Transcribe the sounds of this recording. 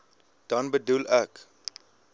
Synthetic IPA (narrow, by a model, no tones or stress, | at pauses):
d̥ɐnbədulæk